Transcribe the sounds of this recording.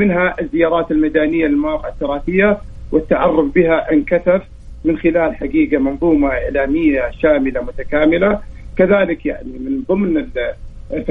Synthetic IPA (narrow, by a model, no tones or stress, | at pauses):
mɪnɦaʔɪzːɪjɑːɾˤɑːt̪ɪlmad̪aːnɪjːalɪlmawɑːqʕat̪ːʊɾˤɑːθɪjːa | wɪt̪ːaʕɑrˤːʊbbɪhaʔɪnkaθaf | mɪnxɪlaːlħaɡiːɡamɑnðˤuːmaʔɪʕlaːmɪjːaʃaːmɪlamʊt̪akaːmɪlakaðaːlɪkjaʕnimɪnðˤɨmnɪl